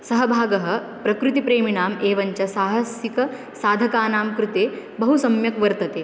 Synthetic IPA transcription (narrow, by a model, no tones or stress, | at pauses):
sɐɦɐbʱaːɡɐɦɐ̆ | pɾɐkɾut̪ipɾeːmiɳaːmeːʋɐɲt͡ʃɐsaːɦɐsjikɐ | saːd̪ʱɐkaːnaːmkɾut̪eːbɐɦusɐmjɐkʋɐɾt̪ɐt̪eː